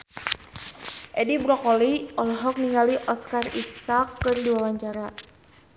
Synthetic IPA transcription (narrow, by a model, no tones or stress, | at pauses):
ʔɛdibɾɔkɔliɔlɔɦɔk̚niŋaliʔɔskarisakːɨrdiwawaɲt͡ʃaɾa